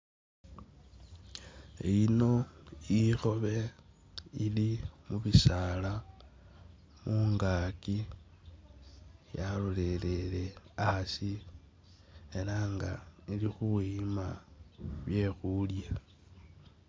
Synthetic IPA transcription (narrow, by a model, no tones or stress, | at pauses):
ḛino̞ixo̞βe̞ | ilimuβisala | muːŋɡaːki | jalole̞le̞le̞asi | elaŋɡa̰ilixuima | βje̞xulja